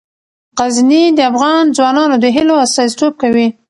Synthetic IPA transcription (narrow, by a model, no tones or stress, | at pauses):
ɣaznid̪əafɣɑnd͡zwɑnɑnod̪əɦɪloast̪ɑsi̥t̪ob̚kawi